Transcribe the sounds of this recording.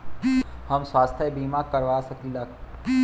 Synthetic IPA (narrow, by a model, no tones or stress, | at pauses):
həmswaːst̪ʰjəbiːmakɐɾʋaːsɐkilak